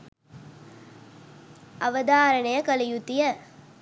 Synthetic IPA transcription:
ɐʋɐd̪aːɾənɐjɐkɐlijut̪ijə

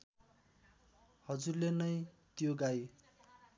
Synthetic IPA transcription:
hʌd͡zurlenʌj | t̪joɡaj

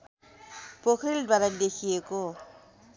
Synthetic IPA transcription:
pokʰɾildaɾand̪ekʰijeko

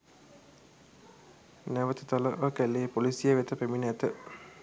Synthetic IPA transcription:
næʋət̪ət̪aləʔəkæleːpolisijəʋet̪əpeminəæt̪ə

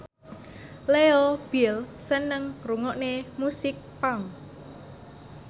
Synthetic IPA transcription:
leɔb̥ilsənəŋruŋɔʔnemusɪk̚paŋ

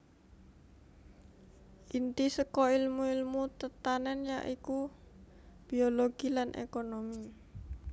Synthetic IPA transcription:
ʔint̪isəkɔilmuilmut̪ət̪anɛnja̰ʔiku | b̥ioloɡ̥ilanʔḛkonomi

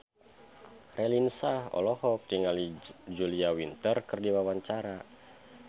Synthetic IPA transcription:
rɛlinsahɔ̰lɔhɔp̚t̪iŋalid͡ʒuliawint̪ərkɨrdiwawaɲt͡ʃaɾa

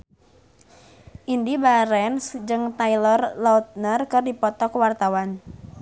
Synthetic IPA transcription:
ʔindibaɾɛnsd͡ʒɨŋt̪ailɔrlaut̪̚nərkɨrdipɔt̪ɔkwart̪awan

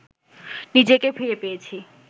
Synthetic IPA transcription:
nid͡ʑekepʰijepeet͡ɕʰi

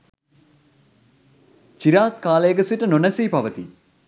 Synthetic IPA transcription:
t͡ʃiɾaːt̪kaːləjəɡəsiʈənonəsiːpaʋət̪i

